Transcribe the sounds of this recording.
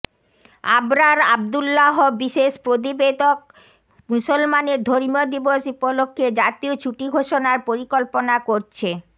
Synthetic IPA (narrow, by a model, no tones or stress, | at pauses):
a̰bɾaɾa̰b̚d̪ulːaɦobiʃeʃpɾot̪̬ibed̪ok̚ | musolmaneɾd̪ʱoɾmod̪iboʃupolokʰːed͡ʑat̪iot͡ɕʰuʈiɡʱoʃonaɾpoɾikolponakoɾt͡ɕʰe